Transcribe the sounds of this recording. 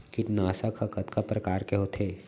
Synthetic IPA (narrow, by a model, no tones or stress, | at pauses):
kiʈnaːsakʰɐkɐt̪kʰapɾɐkaːɾkeɦoːt̪ʰeː